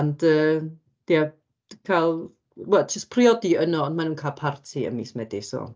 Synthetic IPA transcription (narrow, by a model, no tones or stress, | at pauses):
and̥əː | d̥iḁ | kʰalˠ | wɛlˠd͡ʒəspʰriɔdiənɔɔndmanuːnkʰalˠpʰartʰiə̰mḭsmɛdisɔ̰